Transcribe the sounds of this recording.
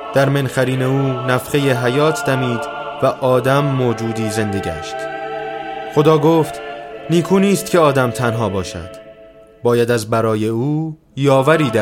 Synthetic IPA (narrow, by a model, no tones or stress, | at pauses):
d̪̥æɾmenxæɾiːne̞uːnæfʁe̞jeɦæjɒːt̪ʰd̪æmiːd̪ | væʔɒːd̪æmːoːd͡ʒuːd̪iːze̞nd̪e̞ɟæ̰ʃt̪ | χo̞d̪ɒːɡoːft̪niːkʰuːniːst̪cʰe̞ɒːd̪æmt̪ʰænɦɒːbɒːʃæ̰d̪̥ | bɒːjæd̪æzbæɾɒːje̞uː | jɒːvæɾiːd̪æ